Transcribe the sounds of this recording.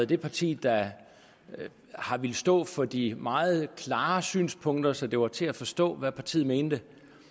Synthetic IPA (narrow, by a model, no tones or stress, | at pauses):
ð̩ˠd̥e̝pʰɑ̈t͡sʰḭːd̥ɑ | hɑ̈ʋe̝lsd̥ɔ̰̽ːfɒ̽d̥imɑ̈ːð̞̩ˠkʰlɑ̈ːsy̰ːnspʰɔ̽ŋ̰d̥ɐsɒ̽d̥e̝ʋɑ̈t͡sʰe̝æfɒ̽sd̥ɔ̰̽ːʋæpʰɑ̈t͡sʰḭːð̩ˠme̝ːnd̥ə